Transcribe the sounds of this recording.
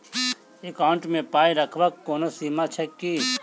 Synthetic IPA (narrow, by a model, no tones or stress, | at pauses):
ekaːɳʈmẽpaːiɾəkʰʋakːoːnosiːmat͡ʃʰɛkːiː